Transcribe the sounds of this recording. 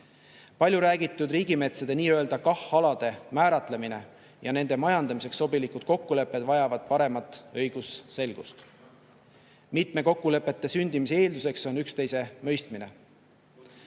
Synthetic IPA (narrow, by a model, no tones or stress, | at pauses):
pɑlʲjuɾæːɡit̪ːˑud̪riːɡ̥ime̞t̪sed̪eniːø̞e̞ld̪ɑkɑhɑlɑd̪̥e̞mæːɾɑt̪le̞mine̞̰ | jɑ̰ne̞nd̪emɑjɑnd̪̥ɑmise̞ksːo̞bilikud̪̥̚ko̞kːule̞pːˑe̞d̪vɑjɑvɑd̪̥̚pɑɾe̞mɑt̪ːˑɤ̞jɡ̥usse̞lɡ̥ust̪ | mit̪me̞ko̞kːule̞pːˑe̞t̪ːe̞synʲd̪̥imisee̞ːld̪use̞kso̞nykst̪e̞jse̞mø̞jst̪mine̞̰